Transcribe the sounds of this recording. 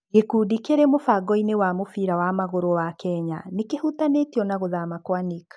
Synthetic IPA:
ekudikeɾɛmofaɡɔinewamofiɾawamaɣoɾowakɛɲanekehutanetjɔnaɣoðamakwanikḁ

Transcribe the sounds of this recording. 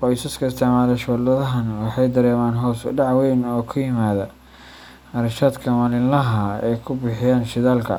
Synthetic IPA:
qɔjsɐskʰɐɪst̪ʰɛʕmaːðɐʃɔːd̪ɐðɐɦɐnwɑħɑjd̪ɐɾɛːmaːnɦɔːsʊ̰ɖɑʕwɛjnɔːkʰʊjɪmaːðɐ | ɐɾɐʃaːd̪kʰɐmɐlɪnlɐɦɐɛ̰jkʰʊbɪħɪjaːnʃɪðaːlkʰɐ̰

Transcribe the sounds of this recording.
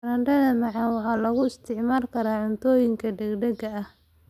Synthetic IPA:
ɾɐɳɖɐðɐmɑʕɑnwɑħɑːlɐɣʊɪst̪ʰɪʕmaːlkʰɐɾaːʕʊnt̪ʰɔːjɪŋkʰɐdɐɡɖɛɡɐɐh

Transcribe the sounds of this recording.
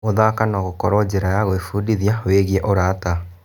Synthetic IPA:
oðakanɔɣokɔɾɔd͡ʑeɾajaɣoefudiðjaweɣiɛʔoɾaːta

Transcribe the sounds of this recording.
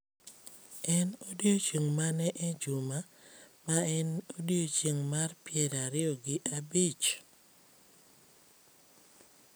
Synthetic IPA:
ɛnodjot͡ʃiŋmanɛʔɛd͡ʒuma | maɛnodjot͡ʃiŋmarpɪɛɾaɾɪɔɡɪʔabit͡ʃ

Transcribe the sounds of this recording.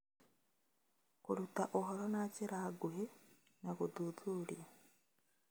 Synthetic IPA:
kuɾutaʔoɦoɾonaciɾaɡuɦe | nakuduðuːɾja

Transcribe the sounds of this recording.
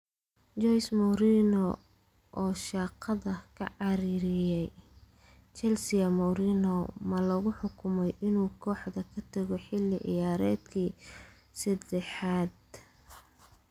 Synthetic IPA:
t͡ʃɔjsmɔɾinɔ | ʔɔːʃɑːqʰɑðɐkʰɐ̰ʕɑɾiːɾɪjɛj | t͡ʃɛlsɪɐmɔɾiːnɔmɐlɔɣʊħʊkʰʊmɛjʔɪnuːkʰɔːħd̪ɐkʰɐt̪ʰɐɣɔħɪlːɪʔɪ̰jaːɾɛːd̪kʰiː | sɐd̪ɛħaːd̪̚

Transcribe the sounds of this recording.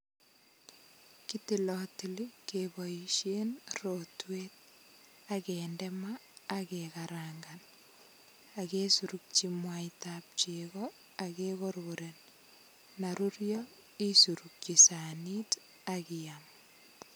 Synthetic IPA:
kitilɔtilikebɔiʃenrotweːt̚ | akendɛmaːkekaɾaŋɡan | akesuɾuk̚t͡ʃimwajtap̚t͡ʃeɣɔ | akekoɾoɾen | naɾurjɔ | isuɾuk̚t͡ʃisanit | akiam

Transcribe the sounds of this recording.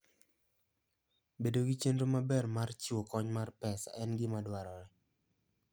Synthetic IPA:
bedoɡit͡ʃendomabɛrmart͡ʃiwokɔɲmarpɛsa̰ʔɛnɡɪmadwaɾɔɾɛ

